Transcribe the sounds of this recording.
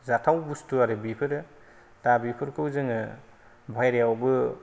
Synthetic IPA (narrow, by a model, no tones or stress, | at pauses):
zatʰawbustuaɾɯbipʰɯɾ | tabipʰɯɾkʰɯwzɯŋɯ | bʱajɾjawbɯ